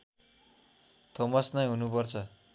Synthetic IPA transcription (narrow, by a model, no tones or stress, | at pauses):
t̪ʰomʌsnʌjɦunupʌrt͡sʰʌ